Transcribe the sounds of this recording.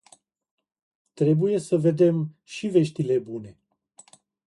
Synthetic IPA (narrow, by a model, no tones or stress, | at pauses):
t̪ɾe̞buje̞səve̞d̪e̞m | ʃive̞ʃt̪ile̞bune̞